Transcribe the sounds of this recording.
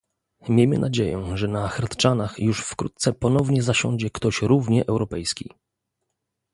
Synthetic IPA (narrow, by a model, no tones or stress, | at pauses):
mʲjejmɘ̰nʔad͡ʑejɛ̰ʐɛnaxɾt̪t͡ʂanaxjuʂfkɾut̪̚t̪sɛpɔn̪ɔvɲɛzaɕɔ̃ɲd͡ʑɛkt̪ɔɕɾuvɲɛʔɛwɾɔpɛjskʲḭ